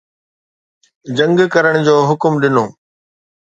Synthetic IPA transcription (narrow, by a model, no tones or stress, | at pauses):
d͡ʑɐ̃ŋɡkɐɾəɽ̃d͡ʑoːɦʊkmɗɪnoː